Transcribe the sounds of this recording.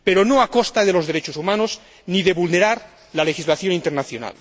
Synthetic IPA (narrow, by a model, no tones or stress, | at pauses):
peɾonoakost̪aðelo̞zðeɾet͡ʃosumanoz | niðe̞βulne̞ɾaɾ | lalexizlaθjo̞nint̪eɾnaθjona̰l